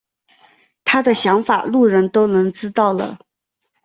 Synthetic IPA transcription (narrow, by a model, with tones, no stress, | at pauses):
t̪ʰa˥d̪ə˨ɕjɑ˧˥ŋfa̰˨˩lu˥˩ɻə˧˥nt̪o˥ʊnɤ˧˥ŋʈ͡ʂɻ̩˥t̪ɑ˥˩ʊlə̰˩